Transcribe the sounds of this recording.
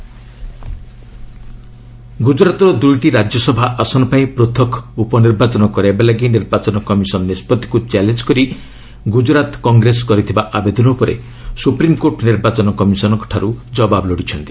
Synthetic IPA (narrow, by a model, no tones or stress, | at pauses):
ɡud͡ʒɾat̪ɔɾɔd̪ujʈiɾad͡ʒjɔsɔbʱaʔasɔnɔpaĩpɾot̪ʰɔkupɔniɾbat͡ʃɔnɔkɔɾebelaɡiniɾbat͡ʃɔnɔkɔmisɔnɔnispɔd̪ʱːi̥kut͡ʃalend͡ʒkɔɾi | ɡud͡ʒɾat̪kɔŋɡɾeskɔɾit̪ʰibaʔabed̪ʱɔnɔupɔɾḛ | supɾimkoʈniɾbat͡ʃɔnɔkɔmisɔnɔkɔ̥ʈʰaɾud͡ʒɔbabɔlɔɽit͡ʃʰɔnt̪i̥